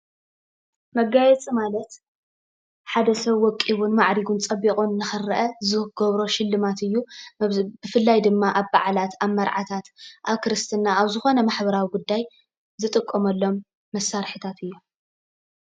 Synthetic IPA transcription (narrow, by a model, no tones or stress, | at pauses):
mɐɡajɛt͡sʼimalɐt̪ | ħad̪ɐsɐβwɔkʼiβunmaʕɾiɡunt͡sʼɐbːikʼunnɨxɨɾɨʔɐzɨhɡɔβɾo̞ʃɪlːɨmat̪ɨjːu | bɨfɨlːajd̪ɨmːaʔaβba̰ʕlat̪ʰaβmɐɾʕat̪ʰat̪ʔaβkɨɾɨst̪ʰɨnːaaβzɨxo̞nɐmaħbɐɾawiɡud̪ːaj | zɨt̪ʼɨkʼːomɐlːo̞mː | ɐsːaɾħɨt̪ʰat̪ʰɨjːo